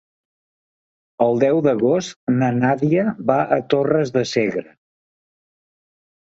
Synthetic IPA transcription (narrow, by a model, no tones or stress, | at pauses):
əlˠd̪ɛwd̪əɣost̪nənaðiəbaʔət̪orəzðəseɣɾə